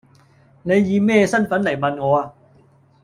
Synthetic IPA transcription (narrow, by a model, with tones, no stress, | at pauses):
ne˨˧jːiː˨˧mɛː˥˩sa˥˩nfɐ˨˥nlɐ˨˩jmɐ˨˧nŋɔː˨˧a˧